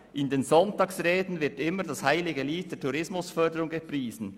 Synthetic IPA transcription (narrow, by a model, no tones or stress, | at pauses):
ʔɪndeːnzɔntɑːksʁeːdn̩vɪɐtɪmːədɑshaɪlɪɡəliːt̚d̥eːɐtʰuɾɪsmʊsfœdəɾʊŋɡəpʁiːzn̩